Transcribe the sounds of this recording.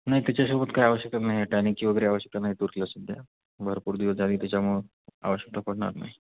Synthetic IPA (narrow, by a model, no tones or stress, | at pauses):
naɦit̪jat͡ɕasoubət̪kaiaʋəɕjək̚t̪anaɦiaʈañikiʋəɡəɾeaʋəɕjək̚t̪anaɦit̪uɾt̪ilaəsud̪ʱja̰ | bʱəɾpuːɾd̪iʋəsd͡zad̪iːt̪jat͡ɕamuɭ | a̰ʋəɕjək̚t̪apoɽɳa̰ɾna̰ɦi